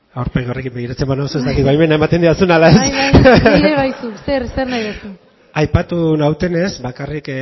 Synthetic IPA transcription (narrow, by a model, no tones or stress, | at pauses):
awɾpeɣio̞re̞kimbe̞ɣ̞iɾat͡sembanausoezd̪akit̪βajme̞nae̞mat̪e̞nd̪iasunalaes | eβajsukseɾseɾnajðesu | ajpat̪unawt̪e̞ne̞sbakarik